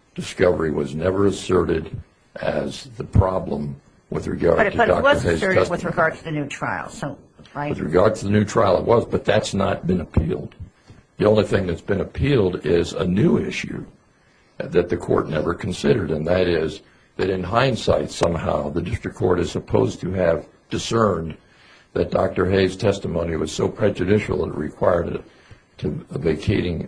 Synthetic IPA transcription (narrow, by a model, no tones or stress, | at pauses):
d̥ɨskʌvə˞iwʌznɛvə˞ɨsɜ˞ɾɪɾ | ʔɨzðɨpʰɹ̥ɑblə̰̃m | wɨ̰ðɹɨ̰ɡɑ̰ɹd̚tʰɨdɑ̰k̚ʌə˞eɪzʰʌswɨɹɨɡɑɹdtʰɨðɨnʉtʰɹ̥aɪl̩ˠo | aɪwɨðɹɨ̰ɡɑɹd̚tʰɨðɨnʉtʰɹ̥aɪlˠət̚wʌzbʌt̪̚ðɨtsnə̰t̚b̥ɨ̃nɨpʰḭlˠd̪̚ | ðiõʊ̃nliθɪ̃ŋðɨtsb̥ɨ̃nɨpʰilˠdɪzə̰nʉɪʃʉ̰ | ðɨt̪̚ðɨkʰɔ̰ɹtⁿnɛ̰və˞kʰn̩sɪɾə˞ɾɨ̃nðɨɾɪz | ðɨɾɨ̃nɦãɪ̃nsa̰ɪtsʌ̃mha̰ʊðɨdɪstɹ̥ɨkʰːɔ̰ɹɾɨz̥səpʰoʊztʰɨːv | d̥ɨsɜ̃˞n | ðɨt̚d̥ɑ̰k̚tə˞ɦeɪz̥tʰɛstəmõʊ̃niwʌz̥soʊpʰɹ̥ɛd͡ʒɨdɪʃl̩ˠə̰tɹɨ̰kʰw̥aɪə˞ɾɨ̰tʰ | ɨveɪkʰeɪɾɪ̃ŋ